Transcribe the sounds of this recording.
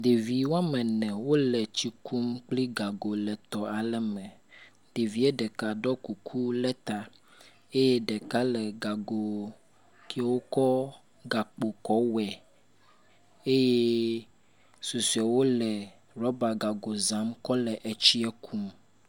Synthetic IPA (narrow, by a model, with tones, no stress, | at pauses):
d̪e˨vi˨wo˦a˦mɛ̃˨nɛ̃˨wo˦lɛ˨t͡ɕi˦kʰu˦mk͡pli˦ɡa˨ɡo˨lɛ˨t̪ɔ˨a˨lɛ˦mɛ̃˨ | ɖe˨vi˦ɛ˦ɖɛ˨ka˨ɖɔ˦ku˨kʰu˦lɛ˦t̪a˨ | e˦je˦ɖɛ˨ka˦lɛ˨ɡa˨ɡo˨ | kʰɛ˦wo˦kɔ˦ | ɡa˨k͡po˨kɔ˦wɛ˨ | e˦je˦ | su˨su˨ɛ˨wo˦lɛ˨ | ɾɔ˦ba˨ɡa˨ɡo˨zã˨˦mkɔ˦lɛ˨ʔɛ˨t͡ɕi˦ɛ˦kʰu˦m